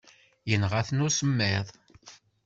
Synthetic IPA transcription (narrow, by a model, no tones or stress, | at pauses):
jənʁaθnʊsəmːeðˤ